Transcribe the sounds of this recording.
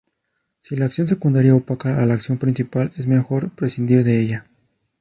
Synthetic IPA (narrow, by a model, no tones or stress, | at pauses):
silaːksjo̞ns̬e̞kund̪aɾjaopakaalaːksjo̞mpɾĩnsipale̞zme̞xo̞ɾpɾe̞sind̪iβðe̞eʝa